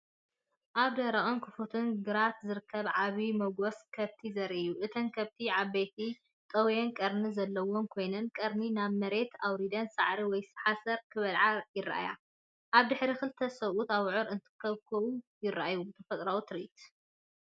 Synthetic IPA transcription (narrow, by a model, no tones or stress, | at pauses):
ʔaβd̪ɐɾɐʔʼonkʰɨfot̪ʰɨnɡɨɾat̪zɨɾɨkʰːɐβʕaβimɐɡoskʰɐβt̪ʰizɐɾʔijuʔɨt̪ʰɐnkʰɐβt̪ʰiʕaβbejt̪ʰi | t̪ʼɐwjenkʼɐɾnɨzɐlːɐwomkʰo̞jnɐnkʼɐɾninaβmɐɾe̞t̪ʰawɾid̪ɐnsaʕɾiwɔjsɨ̥ħasɐɾkʰɨβɐlʕajɪra̰ʔa̰ja̰ | ʔaβd̪ɨħɾixɨlt̪ʰɐsɐwut̪aβʕʊɾɨnt̪ʰɨ̥kʰːɐβkʰɐwujɪrːaʔajut̪ʰɐfɐt̪ʼɾawut̪ʰɨɾit̪